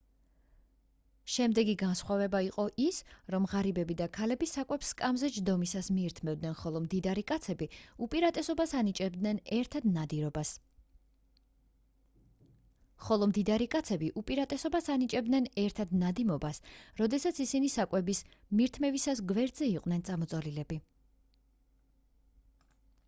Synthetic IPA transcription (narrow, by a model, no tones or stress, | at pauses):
ʃɛmd̪ɛɡiɡansχwavɛbaiqʼɔʔisɾɔmʁaɾibɛbid̪akʰalɛbisakʼwɛpskʼamzɛd͡ʒd̪ɔmisasmiːɾt̪ʰmɛvd̪nɛnχɔlˠɔmd̪id̪aɾikʼat̪sʰɛbiupʼiɾat̪ʼɛsɔbasanit͡ʃʼɛbd̪nɛnɛɾt̪ʰad̪nad̪iɾɔbas | χɔlˠɔmd̪id̪aɾikʼat̪sʰɛbiʔupʼiɾat̪ʼɛsɔbasanit͡ʃʼɛb̚d̪nɛnɛɾt̪ʰad̪nad̪imɔbasɾɔd̪ɛsat̪sʰisinisakʼwɛbismiɾt̪ʰmɛvisasɡvɛɾd̪zɛiqʼwnɛnt̪sʼamɔt̪sʼɔlilɛbi